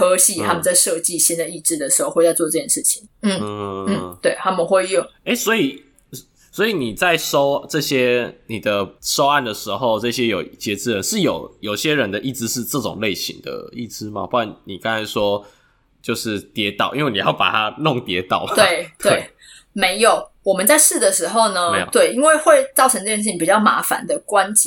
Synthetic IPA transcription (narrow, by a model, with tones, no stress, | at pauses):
ɤ˧˥ɕi˥t̪ʰa˦˥mə˨nt͡sa˥˧ɪʂɤ˥˧t͡ɕi˥˨˩ɕi˦˥nd̪ə˨i˥˩ʈ͡ʂɻ̩˥d̪ə˨ʂɻ̩̥˧˥xo˥˧ʊxwt͡sa˥˧ɪt͡swɔ˥˧ʈ͡ʂɤ˥˩t͡ɕʰjɛ˥˩ʂɻ̩˥˩t͡ɕʰi̥˨˦ŋn̩˥˩˧n̩˥˩t̪we˥˩ɪt̪ʰa˥mə˨nxwe˥˧ɪjʊ˥˨ŋe˥˦swɔ˧˦˥i˨˩ | swɔ˧˥i˨ni˨˩t͡sa˥˩ɪʂo˥ʊʈ͡ʂɤ˥˩ɕjɛ˦˥ni˨˩d̪ə˩ʂo˥ʊa˥˩nd̪ə˩ʂɻ̩˧˦xo˥˧ʊʈ͡ʂɤ˥˩ɕjɛ˦˥jo˨˩ʊt͡ɕjɛ˧˥t͡sɻ̩˥ɻə˧˦nʂɻ̩˥˩jo˨˩ʊjo˨˩ʊɕjɛ˦ɻə˧˦nd̪ə˧ʔi˥˩ʈ͡ʂɻ̩˧˦ʂɻ̩˥˧ʈ͡ʂɤ˥˩ʈ͡ʂʊ̰˨˩ŋle˥˩ɪɕḭ˧˦ŋd̪ə̰˩ḭ˥˩ʈ͡ʂɻ̩˥˦ma̰˨pu˥˩ka˥˩nni˨˩ka˥˦ŋt͡sʰa˧˥ɪʂwɔ˦ | t͡ɕjo˥˧ʊʂɻ̩˥˩t̪jɛ˧˥t̪ɑ˨˩ʊʔi˥nwe˥˩ni˨˩jɑ˥˩ʊpa̰˨˩t̪ʰa˦nʊ˥˨ŋt̪jɛ˧˥t̪ɑ˨˩˦ʊmt̪wɪt̪ʰwe˥˩ɪ | me˧˥ɪjo˨˩ʊwɔ˨˩mə˨nt͡sa˥˧ɪʂɻ̩˥˨d̪ə˩ʂɻ̩˧˥xo˥˩ʊnə˨˧˦jo̰˨˦t̪we˥˩ɪi˥nwe˥˧ɪxwe˥˧ɪt͡sɑ˥˩ʊʈ͡ʂʰɤ˧˦ŋʈ͡ʂɤ˥˧t͡ɕɛ˥˧˩ʂ̬̩ʰ˥˩i˥pi˨˩t͡ɕjɑ˥˩ʊma̰˧˥fa̰˨˦nd̪ə˨kwa˦nt͡ɕi˨